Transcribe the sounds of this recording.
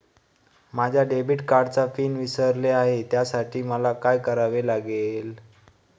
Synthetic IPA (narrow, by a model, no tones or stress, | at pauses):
mad͡ʑʱjaɖebiʈkaɾɖt͡safiːnʋisəɾleaɦet̪jasaʈʰiːməlakajkəɾaʋelaɡel